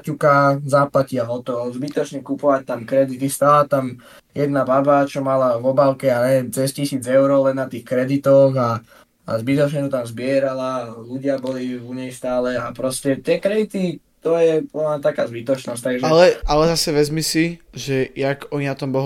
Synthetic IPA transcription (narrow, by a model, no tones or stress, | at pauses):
cukazaːplaciaɦɔt̪ɔʋɔzbit̪ɔt͡ʃɲɛkupɔʋac̚t̪amkɾɛd̪it̪ist̪aːlat̪am | jɛd̪nababat͡ʃɔmalaʋɔbalkɛaɛt͡sɛscisiːd͡zɛʊɾɔlɛnːat̪iːxkɾɛd̪it̪ɔɣa | a̰zbit̪ɔt͡ʃɲɛt̪ɔt̪amzbɪɛɾalaluɟɪabɔliuɲɛjst̪aːlɛapɾɔscɛt̪ɪɛkɾɛd̪it̪it̪ɔjɛpɔnnat̪aka̰ːzbit̪ɔt͡ʃnɔsc̚ʲt̪aɡʒɛlɛalɛzasɛʋɛzmisiʒɛjakɔɲinat̪ɔmbɔɦ